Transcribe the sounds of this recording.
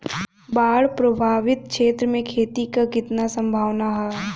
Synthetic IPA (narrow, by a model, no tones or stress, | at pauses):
baːɽpɾobʱaːʋɪt̪̚kʃeːt̪ɾəmẽkʰeːt̪ikakɪt̪nasɐ̃mbʱaːʋnaɦɛː